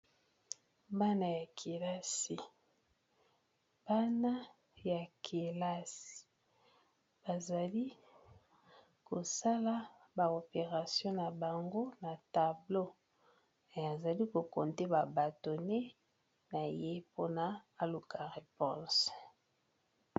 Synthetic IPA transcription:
ba˦na˨ja˨kʰi˨la˦si˨ | b̥a˦na˦ | ja˨kʰe˨la˦si̥˨ | b̥a˨za˨li˦ | ko˨sa˦la˦ | ba˨o˨pe˨ʁa˨sjɔ̃˦na˨ba˨ŋɡo˦na˨ta˨blo˦ | e˨a˨za˨li˦ko˨ko˨nte˦ba˨ba˨to˨ne˦ | na˨je˦po˦na˦a˨lu˨ka˨ʁe˨pɔ̃˦˨s

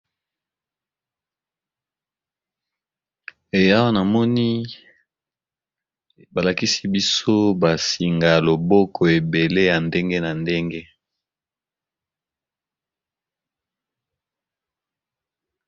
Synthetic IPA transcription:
e˨ja˦wa˦na˨mɔ˦ni˦ | ba˨la˨ki˦si˦bi˦so˦ba˨si˨ŋɡa˨lo˨bɔ˦kʰɔ˨e˨be˨le˦ja˨nde˦ŋɡe˦na˨nde˦ŋɡe˦

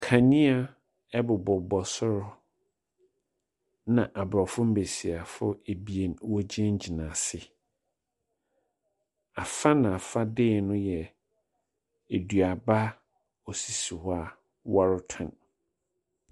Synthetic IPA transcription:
kʰã˨nĩ˦a˦ | ɛ˦bʊ˨bɔ˨bɔ˨sʊ˦ɾʊ˦ | nã˨ʔa˨bɾɔ˨fʊ˦m̩˦be˨si˨a˨fʊ̰˦e˨bi˨e˨nwɔ˦d͡ʑi˦ɛ̃˦ɲ̩˦d͡ʑi˨nã˨sɪ˦ | a˨fa˦nã˨a˨fa˦dɪː˦˨nʊ̃˦jɛ˨ | e˨du˨a˨ba˦ | ɔ˨si˨si˨ha˨ | wa˦ɾʊ˦tʰɔ̰̃˨n

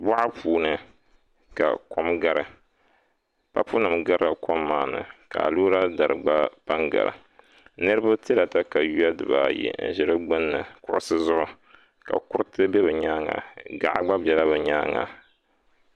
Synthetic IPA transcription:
ba˦ʔa˦pʰuː˨nɨ˨ | ka̰˨ko˦mɡa˨ɾɨ˨ | pa˦pu˦nɨ˨mɡa˦ɾa˨ko˦mːaː˨nɨ̰˨ka˨a̰˨luː˦ɾa˦da˨ɾɨ˨ɡ͡ba˦pa˦ŋɡa̰˨ɾɨ̰˨ | nɨ˦ɾɨ˦ba˦ti˦la˨ta˦ka˨ju˦a˦dɨ˨ba̰˨jɛ̰˨n̩˨ʒɪ˦ɾɨ˦ɡ͡bɨ˦nːɨ˨kʊ˦ʔʊ˦sɨ˦zʊ˦ʔʊ˦ | ka̰˨kʊ˦ɾɨ˦tɨ˦bɛ˦bɨ˨ɲaː˦ŋa̰˨ɡa̰˦˨ʔa˦ɡ͡ba˦bʲɛ˨la˦bɨ˨ɲaː˦ŋa̰˨

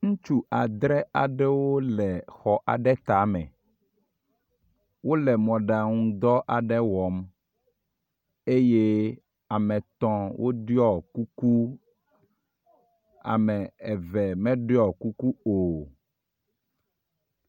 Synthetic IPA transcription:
ŋũ˦t͡ʃu˦ʔa˨d̪ɾɛ˦a˨ɖɛ˦wo˦lɛ˨xɔ˨ʔa̰˨ɖɛ˦t̪a˨˦mɛ̰̃˨ | wo˦lɛ˨mɔ̃˨ɖa˨ŋũ˦d̪ɔ˦ʔa˨ɖɛ˦wɔ˨m | e˦je˦ | a˨mɛ̃˨t̪ɔ̃˦wʔo˦ɖi˦ɔ˨ku˦ku˦ | a̰˨mɛ˨ɛ˨vɛ˨mɛ̃˦ɖe˦ɔ˨ku˦ku˦o˨

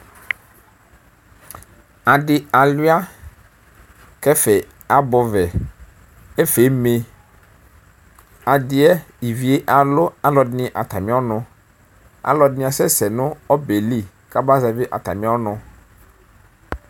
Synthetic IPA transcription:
a˨dɪ˨a˨lu˦a˦ | kɛ˦fɛ˨ | a˨bɔ˨vɛ˨ | e˦fe˨˦me˨ | a˨dɪ˨ɛ˦i˨vi˨e˦ʔa˨lʊ˦a˨lɔ˨dnɪ̃˨ʔa˨t̪a˨mĩ˦a˦nʊ̃˨ | a̰˦lɔ˨dnɪ̃˦a˨sɛ˦sɛ˨nʊ̃˦ɔ˦be˨li˦ | ka˦ba˦zɛ˨be˦ʔa̰˨t̪a̰˨mĩ˦a˦nʊ̃˨

